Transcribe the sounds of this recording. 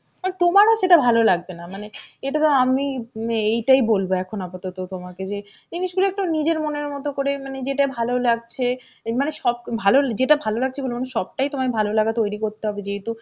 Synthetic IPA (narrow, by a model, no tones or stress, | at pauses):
manet̪omaɾoʃeʈabʱalolaɡ̚benamaneeʈat̪oamiejʈajbolboɛkʰonapat̪ot̪ot̪omaked͡ʑe | d͡ʑiniʃɡuloek̚ʈunid͡ʑeɾmoneɾmɔt̪okoɾemaned͡ʑeʈabʱalolaɡt͡ɕʰemaneʃɔb̚bʱalod͡ʑeʈabʱalolaɡ̚t͡ɕʰebolomanuʃʃɔb̚ʈajt̪omakebʱalolaɡat̪ojɾikoɾt̪eɦɔbed͡ʑeɦet̪u